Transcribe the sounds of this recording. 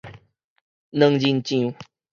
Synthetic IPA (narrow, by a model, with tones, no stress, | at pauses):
nə̃˦˧ŋd͡ʑi˧nt͡ɕĩ˦˧˨u˧˦